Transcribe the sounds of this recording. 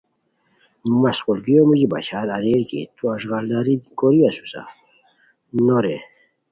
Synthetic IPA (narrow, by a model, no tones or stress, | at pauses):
masqulɡijomuʑiba̰ɕaːɾaɾeːɾkḭt̪uaʐɣald̪aɾikoɾiasu̥sa̰ | noɾe